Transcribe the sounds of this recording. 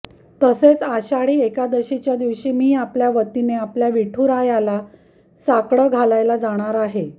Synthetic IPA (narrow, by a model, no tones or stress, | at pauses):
t̪əset͡saɕaɽiːekad̪əɕit͡ɕjad̪iʋɕiːmiːapljaʋət̪ineapljaʋiʈʰuːɾajala | sakɽəɡʱalajlad͡zaɽ̃aɾaɦe